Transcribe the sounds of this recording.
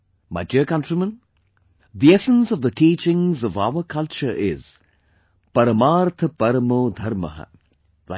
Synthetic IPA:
ma̰ɪdiəkɐ̃nʈɾimə̃n | ðiɛsə̃nsɔvðəʈiːt͡ʃɪ̃ŋzɔva̰ʊəkʰɐlt͡ʃə˞ʔɪ̰z̥ | pɐɾəmaːɾt̪ʰəpɐɾəmoːd̪ʱɐɾmə̰ɦə̰ | la

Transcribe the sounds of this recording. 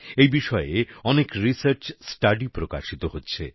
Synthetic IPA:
ejbiʃɔeeɔnekɾisəɾt͡ɕsʈaɖipɾoka̰ʃit̪oɦotːɕʰe

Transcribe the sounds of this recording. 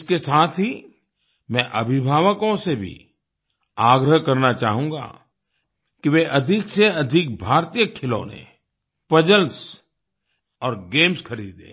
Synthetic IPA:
ɪskesaːt̪ʰɦi | mɛ̃ʔɐ̰bʱɪbʱaːʋəkõsebʱḭ | aːɡɾəɦkɐɾnat͡ʃaːɦũːŋɡa̰ | kiʋeʔɐd̪ʱɪkseɐd̪ʱɪk̚bʱaːɾt̪ijəkʰɪlõ̰ːnḛ̃ | pɐd͡ʒəls | ɔːɾɡẽːmsxɐɾiːd̪ḛ̃ː

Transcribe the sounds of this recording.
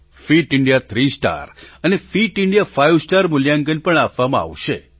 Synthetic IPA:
fiʈɪɳɖijat̪ʰɾisʈa̰ɾənefiʈɪɳɖijafajʋsʈaɾmʊljaŋɡənpəɳapʋamãa̰ʋʃe

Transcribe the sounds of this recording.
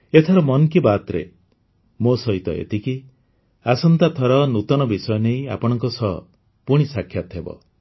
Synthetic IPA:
et̪ʰaɾɔmɔnkibat̪ɾḛ | mosɔɦit̪ɔ̰ḛt̪iki | asɔnt̪at̪ʰɔɾɔnut̪ɔñɔbisɔjɔneja̰pɔɽ̃ɔŋkɔsɔ̰ | puɽ̃isakʰːjat̪ɦebɔ̰

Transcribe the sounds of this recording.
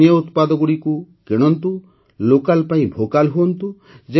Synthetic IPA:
jɔut̪pad̪ɔɡuɽiku | keɽ̃ɔnt̪u | lokalpaĩbʱokalɦuɔnt̪u | d͡ʒe

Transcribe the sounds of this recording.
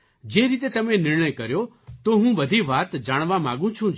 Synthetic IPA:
d͡ʒeːɾiːt̪et̪ɐmẽnɪɾɳ̃əjkəɾjo | t̪oːɦũbəd̪ʱiʋaːt̪d͡ʒaːɽ̃ʋãmã̰ːɡũt͡ʃʰũ

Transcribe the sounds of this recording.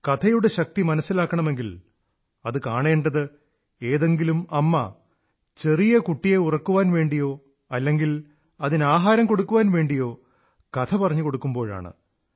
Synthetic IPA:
kɐt̪ʰɐjuɽe̞ɕɐk̚t̪imɐnɐsːilaːkːɐɳɐme̞ŋɡil | ɐðɨkaːɳe̞ːɳɖɐðɨ | e̞ːðe̞ŋɡilumɐmːɐ̰ | t͡ɕe̞rijɐkuʈːije̞urɐkːuʋaːnʋe̞ːɳɖijo̞ː | ɐlːe̞ŋɡil | ɐðinaːɦaːɾɐmko̞ɽukːuʋaːnʋe̞ːɳɖijo̞ː | kɐt̪ʰɐpɐrɐɲːuko̞ɽukːumbo̞ːɻa̰ːɳɨ̰

